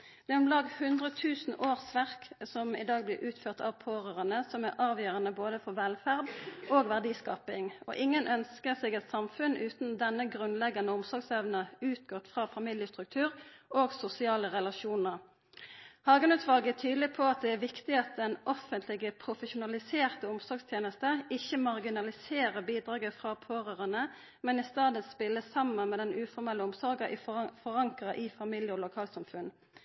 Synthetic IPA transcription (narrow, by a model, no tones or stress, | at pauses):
d̪ɛmlɑːɡhʉnd̪ʁət̪ʰʉːsn̩ʔoːʁsʋæʁksɔmɪ̰d̪ɑːɡ̚blɪːʔʉːt̪føːʁt̪ʰɑ̰ʋpʰoːʁøːʁənəsɔmæʁʔɑːʋjøːʁɑnəboːd̪əfɔʋɛlfæʁd̪oːɡʋæʁd̪iːskɑːpɪŋɔ̰ʔɪŋːənʔœnskəʁsɛːɡɛt̪sɑmfʉnʔʉːt̪nd̪ɛnːəɡʁʉnlɛɡːɑnəʊmsɔʁɡsɛʋnəʉːt̪ɡɔt̪fʁɑːfɑmiljəst̪ʁʉk̚t̪ʰʉːʁoːɡsʊsɪɑːləʁɛlɑʃuːnəʁ | hɑːɡənʉt̪ʋɑːlɡəæt̪ʰyːd̪lɪpʰɔɑt̪̚d̪ɛæʋɪkt̪ɪɑt̪̚d̪ɛnʔɔfənt̪ʰlɪɡəpʰʁʊfəʃʊnɑlɪseːʁt̪əʊmsɔɾɡst̪ʰjeːnəst̪əɪçːəmɑʁɡɪnɑlɪseːʁəbiːd̪ʁɑːɡəfʁɑpʰoːʁøːʁɑnə | mɛnɪst̪ɑːd̪ənspɪlːəsɑmːənmɛːd̪ɛnʉːfɔʁmɛlːəʊmsɔʁɡəʔifɔʁɑŋkʁɑʔiːfɑmɪljəɔlʊkʰɑːlt̪sɑmfʉn